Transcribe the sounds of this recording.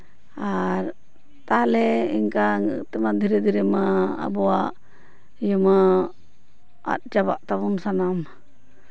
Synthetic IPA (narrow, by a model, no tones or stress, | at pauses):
aɾ | t̪alɛḭŋkaŋ̰t̪ɛmad̪ʱiɾɛd̪ʱiɾɛmaa̰bɔaʔ | jəma | a̰t̪̚t͡ʃaba̰ʔt̪abunsanam